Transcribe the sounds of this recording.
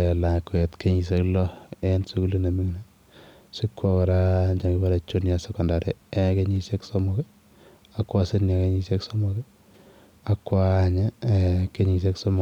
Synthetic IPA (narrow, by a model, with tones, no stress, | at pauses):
ela˨kːʊ˨e˨tke˦ɲi˨s̬e˦klɔ˦ensu˦ku˦li˦ne˨mi˦ŋne | si˦kːɔ˨kɔ˨ɾa˦ɲd͡ʒa˨ŋɡi˦ba˦la˨t͡ʃo˦nja˨sɛ˨kɔ˨nda˨ɾɛ˨eke˦ɲi˦se˦kso˦mo˦kɛ˦ | a˦kwa˦se˦nja˨ke˦ɲi˦se˦kso˦mo˦kɛ˦ | akːwa˦ɲe˦ke˦ɲi˨s̬e˦kso˦mɔ